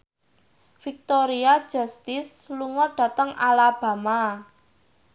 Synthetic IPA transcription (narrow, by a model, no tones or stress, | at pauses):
fik̚t̪oɾiad̥ʒ̥ɔ̤st̪ɪsluŋɔɖ̥a̤t̪əŋalab̥a̤ma